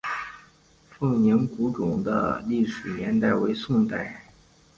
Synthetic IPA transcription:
fɤ˥˩ŋnɛ˧˥nku˧˥ʈ͡ʂʊ˨˩ŋd̪ə̰˦li˥˩ʂɻ̩˨˩njɛ˧˥nt̪a˥˩ɪwe˧˥ɪsʊ˥˧ŋt̪a˥˩ɪ

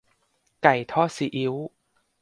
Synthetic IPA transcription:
ka˨˩jt̪ʰɔː˥˩si˨˩˦ʔi˨˦w

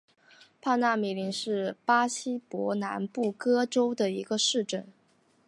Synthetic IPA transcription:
pʰa˥˧na˥˩mi˨˩li˧˥ŋʂɻ̩˥˩pa˥ɕi˥pwɔ˧˥na̰˧˥npu˥˩kɤ˥ʈ͡ʂo˥ʊd̪ə˨i˧˥ɡə˧ʂɻ̩˥˧ʈ͡ʂə˥˩n

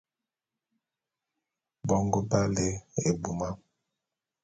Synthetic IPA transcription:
bɔ˦ŋɡo˦ba˦le˦e˨bu˨ma˦

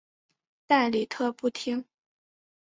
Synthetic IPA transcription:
t̪a˥˩nli˨˩t̪ʰɤ˥˧pu˥˩t̪ʰi˥ŋ

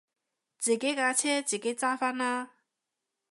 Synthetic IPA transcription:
t͡si˨ke˥ka˧˨t͡ɕʰɛ˥t͡ɕi˨ke˦˨t͡sa˥fa˥na˦

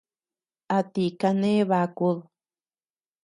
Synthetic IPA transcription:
a˧t̪i˧ka˧nẽ˦βa˧ku˦ð

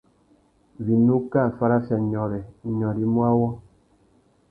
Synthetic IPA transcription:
vi˨nu˦ka˦˨fa˦ɾa˦fja˨ɲɔ˨ɾɛ˨ɲɔ˨ɾi˦mwa˦wɔ˦

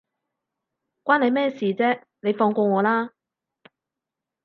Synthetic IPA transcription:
kʷaː˥nle˨˧jmɛː˥siː˨˩t͡sɛː˥ | ne˨˧jfɔː˧ŋkʷɔː˧ŋɔː˨˧laː˥

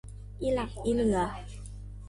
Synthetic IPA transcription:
ʔi˧la˨˩p̚ʔi˧lɯ˨˩ə

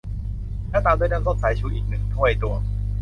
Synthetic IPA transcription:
lɛː˦˥t̪aː˧md̪u˥˩˨naː˥˩so˦˥t̪̚sʰaː˨˩˦jt͡ɕʰuː˧˩ʔiː˨˩k̚nɯ˨˩ŋt̪ʰu˥˩əjt̪u˨˩ə

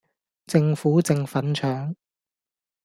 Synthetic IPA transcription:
t͡sɪ˧ŋfuː˨˥t͡sɪ˨ŋfɐ˨˥nt͡ʃʰœː˨˥ŋ

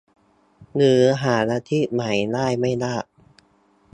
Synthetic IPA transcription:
nɯː˨˩˦ɦaː˩˦naː˧t̪ʰi˦˥˩ma˩˦jnaː˥˩jma˥˩jnaː˥˩ʔ

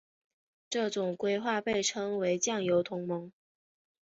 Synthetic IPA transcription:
ʈ͡ʂɤ˥˩ʈ͡ʂʊ˨˩ŋkwe˥ɪxwa˥˧pe˥˩ɪʈ͡ʂʰɤ˥ŋwe˧˥ɪt͡ɕjɑ˥˩ŋjo˧˥ʊt̪ʰʊ˧˥ŋmɤ˧˥ŋ

